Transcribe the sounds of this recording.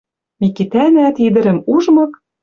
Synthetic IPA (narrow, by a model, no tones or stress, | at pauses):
mikit̪ænæt̪id̪ɘ̆ɾɘ̆muʒmɤ̆k